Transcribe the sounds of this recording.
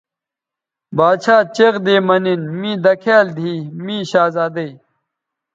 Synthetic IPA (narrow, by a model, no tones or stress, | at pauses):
baːd̪ɕʰaːt͡ɕeqd̪eːmɐninmĩːd̪ɐkʰeːld̪ʱiːmĩːɕaːzaːd̪ɐij